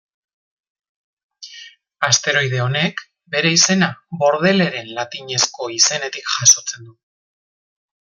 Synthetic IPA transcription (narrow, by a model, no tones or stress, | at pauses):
ast̪e̞ɾo̞jðe̞o̞ne̞k | be̞ɾe̞ise̞naβo̞ɾð̞e̞le̞ɾe̞nlat̪iɲe̞sko̞ise̞ne̞t̪ikʝaso̞t͡se̞nd̪u